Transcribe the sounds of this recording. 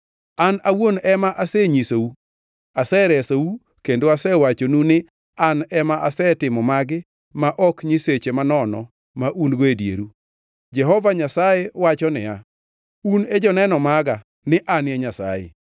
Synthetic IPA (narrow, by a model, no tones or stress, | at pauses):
anawonɛmaʔasɛɲisou | asɛɾɛsou | kendoasɛwat͡ʃonunɪ | anɛmaʔasɛtɪmɔmaɡɪ | maʔɔkɲiset͡ʃemanɔnɔ̰ | maʔunɡoedjḛɾu | d͡ʒɛɦɔvaɲasajewat͡ʃɔnɪ̰ja | uned͡ʒɔnɛnɔmaɡa | nɪʔanɛɲasa̰jḛ